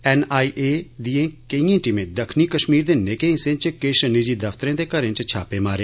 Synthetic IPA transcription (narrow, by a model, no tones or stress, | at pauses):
ɛːnaːiːʔeːd̪iẽːkəĩːãːʈimẽːd̪əkʰniːkəʃmiːɾd̪eːnekẽːɪsẽːt͡ʃkɪʃnid͡ʒiːd̪əfʰt̪ɾẽːd̪eːkəɾẽːt͡ʃt͡ʃʰaːpeːmaːɾeː